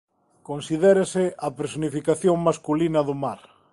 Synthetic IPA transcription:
konsiðɛɾesɪɐpeɾesonifikaθjoŋmaskulinɐðʊmaɾ

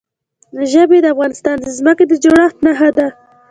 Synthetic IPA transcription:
əʒəbed̪əafɣɑnɪst̪ɑnd̪əzməked̪əd͡ʒoɽɑt̪naɦad̪a

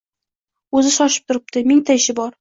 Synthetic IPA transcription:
ɵzɪʃɒʃɪ̥p̚t̪ʰʊɾɪp̚t̪ɪmɪŋt̪ʰaɪʃɪbɒɾ

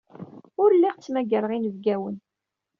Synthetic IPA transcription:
ʊɾlːiʁt͡sːmæɡəɾʁinəvɡæwən

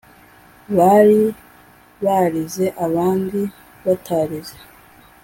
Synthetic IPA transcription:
βaɾi | βaɾize̞ʔaβaːndi | βatʰaːɾize

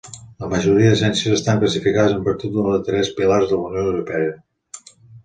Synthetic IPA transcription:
ləməʒuɾiəðəsɛnsiəzəst̪aŋkləsifikaðəzəmpəɾt̪ut̪̚d̪unðət̪ɾɛspilaɾzðələunioəwɾupɛə

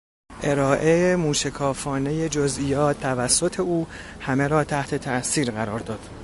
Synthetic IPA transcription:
ʔe̞ɾɒːʔe̞emuːʃekʰɒːfɒːne̞je̞d͡ʒozʔijɒːt̪ʰːævæsːot̪ʰe̞uː | hæme̞ɾɒːt̪ʰæht̪ʰe̞t̪ʰæʔsiːɾɣæɾɒːɾd̪ɒːd̪̥

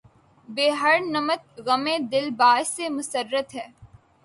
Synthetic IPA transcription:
beːɦəɾnɐmət̪̚ɣɐmẽd̪ɪlbaːsemʊsəɾːət̪ɦɛː

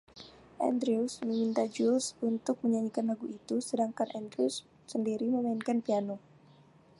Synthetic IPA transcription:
ʔɛ̰ndɾiusməmint̪ad͡ʒulsunt̪ʊk̚məɲaɲikanlaɡuit̪usədaŋkanʔɛnd̪ɾiusː | əndiɾiməmainkanpiano

